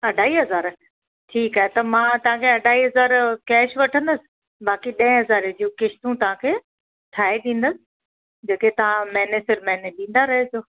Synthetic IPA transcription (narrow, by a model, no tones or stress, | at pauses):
ɐɖʱaːiːɦɐzaːɾ | ʈʰiːkaːɦet̪ɐmãːt̪ɐʋ̤ãkʰeɐɖʱaːiːɦɐzaːɾkɛːʃʋɐʈʰə̃nd̪əsɪ̥̆ | baːkiɗɐ̃ɪ̃ɦɐzaːɾd͡ʑuːkɪʃt̪ũt̪ɐʋ̤ãkʰeː | t̪ʰaːeɗ̪ĩːn̆d̪əsɪ̥̆ | d͡ʑeːket̪ɐʋ̤ãmɛ̃ːnesɪɾmɛ̃neɗĩːn̆d̪aɾɐɦesoː